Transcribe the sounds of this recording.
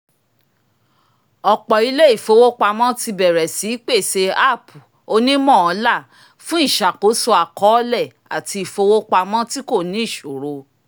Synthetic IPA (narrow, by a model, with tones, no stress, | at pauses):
ɔ˨k͡pɔ˨i˧˦le˦i˦˨fo˧wo˦k͡pa˧mɔ̃˦ti˧bɛ˨ɾɛ˨si˨˦k͡pe˦˨se˧a˦˨pu˨ | o˧nĩ˦mɔ̃˦˨ɔ̃˨˧˦la˦˨ | fũ˦i˦˨ʃa˨ko˨˦so˧a˨kɔ˨˦lɛ˦˨ | a̰˨tʰi˧i˨fo˧wo˦k͡pa˧mɔ̃˦ti˦ko˦˨nĩ˨˦i˦˨ʃo˨ɾo˧